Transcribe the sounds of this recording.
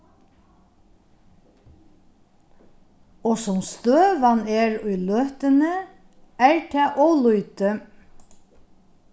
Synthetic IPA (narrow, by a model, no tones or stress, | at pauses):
oːsɔmst̪øːʋɑneːɹʉːløːht̪ənə | æːɹʈʰɑːʔoːlʉʏt̪ə